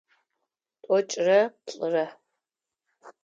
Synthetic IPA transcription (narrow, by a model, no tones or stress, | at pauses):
tʼɔt͡ʃʼrɐpɬʼɨrɐ